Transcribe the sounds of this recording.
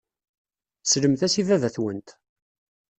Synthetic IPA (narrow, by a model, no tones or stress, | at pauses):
sləmθæsivæðæθwənt̪